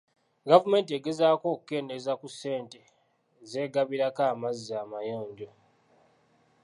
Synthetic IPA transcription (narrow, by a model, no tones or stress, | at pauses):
ɡavume̞ːnt̬ieɡe̞zaːko̞ːku̥ke̞ːndezakusːe̞ːnte | ze̞ːɡaβiɾakaːmaziaːmajoːɲɟo